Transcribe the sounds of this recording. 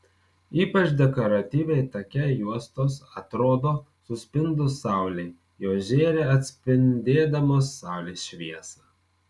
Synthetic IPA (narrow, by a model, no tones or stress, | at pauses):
iːpɐt͡ʃd̪ʲɛkoɾɐt̪ʲiːʋʲɛɪt̪ɐkʲɛjuɔst̪oːsɐt̪ɾoːd̪oː | sʊsʲpʲɪnd̪ʊsɑˑʊlʲɛɪ | joːʒʲeːɾʲeːɐt̪ʲsʲpʲɪnʲd̪ʲeːd̪ɐmoːsːɑˑʊlʲeːsʃʲʋʲiɛsɐː